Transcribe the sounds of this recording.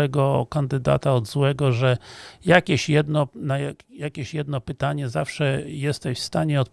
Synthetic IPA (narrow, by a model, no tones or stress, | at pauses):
ɛɡɔkand̪ɘd̪a̰t̪aɔd̪zwɛɡɔʐɛjakʲɛɕjɛd̪nɔnajajakʲeɕjɛd̪nɔpɘt̪aɲɛzafʂɛjɛst̪ɛɕfst̪aɲɛɔt̪̚p